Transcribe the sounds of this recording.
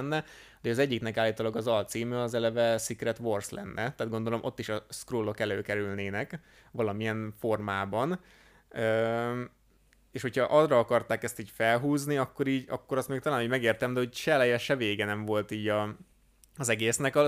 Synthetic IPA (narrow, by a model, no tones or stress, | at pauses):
nːɛ | d̪ɛɒzɛɟːiknɛkaːlːiːt̪oːlɒɡɒzɒlt̪siːmøɒzɛlɛvɛsikrɛt̪ʋo̞rslɛ̰nːʔɛt̪aːd̪̚ɡo̞nd̪o̞lo̞mʔo̞̰t̪ːiʃɒskroːlːo̞kɛløːkɛɾylneːnɛk | ʋɒlɒmiɛɱfo̞rmaːbɒn | øː | eːʃho̞cʰhɒʔɒzrɒɒkɒrt̪aːkɛst̪iːcfɛlɦuːzniɒkːo̞ɾiːɟɒ̰kːo̞ɾɒst̪meːk̚t̪ɒlaːnuːɟmɛɡeːrt̪ɛmd̪ɛho̞cʃɛlɛjɛʃɛveːɡɛnɛɱvo̞lt̪iːɟɒ | ɒzɛɡeːsnɛkɒ